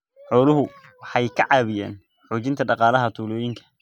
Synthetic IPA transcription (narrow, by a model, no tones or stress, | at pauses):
ħɔːlʊɦʊ | wɑħɑjkʰɐʕɑːβɪja̰ːn | ħuːt͡ʃɪnt̪ʰɐɖɑqɑːlɐɦɐt̪ʰuːlɔːjɪŋkʰɐ̥